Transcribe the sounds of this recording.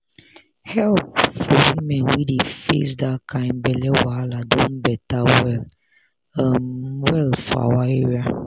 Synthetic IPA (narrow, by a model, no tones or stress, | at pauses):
hɛlp̚fɔwimɛnwidefḛs̬dakʰambɛlɛwaladɔ̃n̩bɛtawɛl | amwɛlfa̰waeɾja